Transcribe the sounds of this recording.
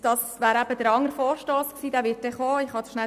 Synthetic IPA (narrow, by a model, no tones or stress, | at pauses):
d̥ɑsvʋæːɾæb̥əd̥̪əɾɑŋːəɾfoːɾʃtoːsksiːd̪æːʋɪːt̚d̥ɛχoːɪχhɑsʃnæ